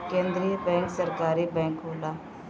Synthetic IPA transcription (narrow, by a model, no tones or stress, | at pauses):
kẽːnd̪ɾiəbɛ̃ːŋksəɾkaːɾiːbɛ̃ːŋkɦoːlaː